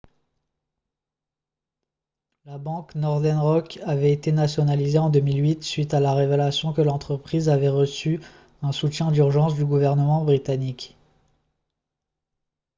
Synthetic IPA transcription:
labɑ̃knɔʁd̪ɛnʁɔkavɛet̪enasjɔnalizeɑ̃d̪əmilɥit̪sɥit̪alaʁevelasjɔ̃kəlɑ̃t̪χəpχizavɛʁəsy | ɛ̃sut̪jɛ̃d̪yʁʒɑ̃sd̪yɡuvɛʁnəmɑ̃bʁit̪anik

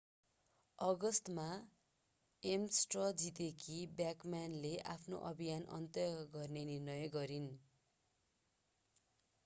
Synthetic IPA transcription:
ʌɡʌst̪ma | emsʈrʌd͡zit̪ekʰibjakmanleʔa̰pʰno̰ʔʌbʱijanʔʌ̰nt̪ʌɡʌrnenirnʌjɡʌɾin

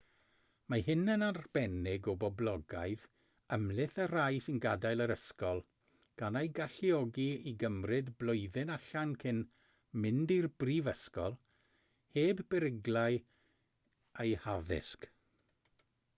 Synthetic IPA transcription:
maɦɪnənarb̥ɛnɪɡɔbɔblˠɔɡa̰jð | əmlɪθərajsɪnɡadajlˠəɾəskɔlˠ | ɡ̥anajɡaɬiɔɡiiɡəmrɨdblʊɨðɪnaɬankʰɪn | mɪndirbriːvəskɔlˠ | heːbbɛɾɪɡlˠaj | ejhaðɪ̰sk

